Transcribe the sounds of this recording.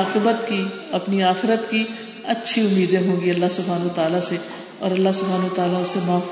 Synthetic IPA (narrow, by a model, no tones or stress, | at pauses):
qɪbət̪ki | ɐpniaːxɪɾət̪ki | ɐtːʃʰiʊmːiːd̪ẽɦõːɡiɐlːaɦsʊbʱaːnʋət̪aːlase | ɔ̰ːɾɐlːasʊbʱaːnʋət̪aːlaʊsːemaː